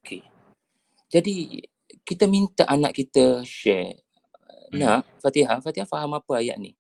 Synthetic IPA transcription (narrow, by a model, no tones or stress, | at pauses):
okʰe | d͡ʒadi | kit̪əmint̪aʔanaʔkit̪əʃɛ̰ | nah | fat̪iɦafat̪iɦafaɦamapəaja̰ʔnḭ